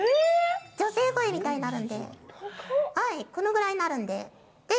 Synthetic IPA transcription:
ɯd͡ʑo̞se̞ːkoemʲit̪ainaɾɯ̟̃nd̪e̞̰ | haiko̞no̞ɡɯ̟ɾaiɲnaɾɯ̟̃nd̪e̞̰ | d̪̥e

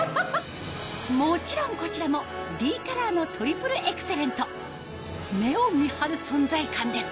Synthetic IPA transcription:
mo̞t͡ɕiɾõ̞ŋko̞t͡ɕiɾamo̞d̪ʲiːkaɾaːno̞t̪ʰo̞ɾʲipɯ̟ɾɯ̟ʔekɯ̥se̞ɾẽ̞nt̪o | me̞omʲihaɾɯ̟sõ̞nd͡zaikãnd̪e̞sɨ̥

